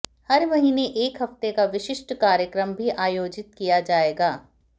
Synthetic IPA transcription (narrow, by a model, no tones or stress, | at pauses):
hɐɾmɐɦiːneʔeːkɦɐft̪ekaʋɪʃɪʃʈkaːɾjəkɾəmbʱiʔaːjoːd͡ʒɪt̪̚kijad͡ʒaːeːɡaː